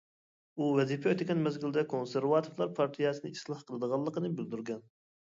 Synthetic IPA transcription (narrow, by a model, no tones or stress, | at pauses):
uvɛzipʰɛøt̪ɪkʲɛnmɛzɡʲild̪ɛkʰonseɾvɑt̪ʰoɾlˠɑɾpʰɑɾt̪ʰijɛsɨnɨislˠɑhqʰəlˠɨd̪əʁɑlˠːəqənɨbyld̪yɾɡʲɛn